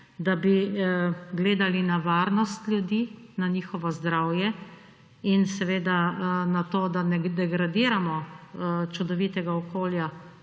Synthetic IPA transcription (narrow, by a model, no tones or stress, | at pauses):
d̪abi | ɡleːd̪alinaʋaːɾnɔst̪lʲjud̪iːnaɲiːxɔʋɔzd̪ɾawjɛ | insɛʋeːd̪anat̪oːd̪anɛd̪ɛɡɾad̪iːɾamɔ | t͡ʃud̪ɔʋiːt̪ɛɡaɔkoːlja